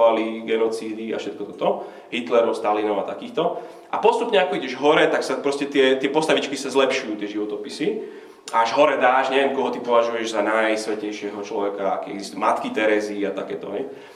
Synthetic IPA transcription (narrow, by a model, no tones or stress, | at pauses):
aliɡɛnɔt͡siːd̪ia̰fʃɛt̪kɔt̪ɔt̪ɔ | ɦit̪lɛɾɔʊst̪alinɔʊat̪akiːxt̪ɔ | ʔapɔst̪upɲɛakɔiɟɛʒɦɔɾɛt̪aksapɾɔscɛt̪ɪɛt̪ɪɛpɔst̪aʋit͡ʃkisazlɛpʃujuːt̪ɪɛʒiʋɔt̪ɔpisi | aaʒɦɔɾɛd̪aːʃɲɛʋɛmkɔɦɔt̪ipɔʋaʒujɛʒzanajsʋɛcɛjʃɪɛɦɔt͡ʃlɔʋɛkaa̰kɛɛɡzist̪uumat̪kit̪ɛɾɛziːat̪akɛːt̪ɔɦɛj